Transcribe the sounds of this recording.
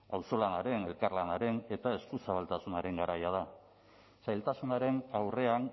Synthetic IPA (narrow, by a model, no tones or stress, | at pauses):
awso̞lanaɾe̞ne̞lkarlanaɾe̞ne̞t̪ae̞skusaβalt̪asunaɾe̞ŋɡaɾajað̞a | sajlt̪asunaɾe̞nawre̞an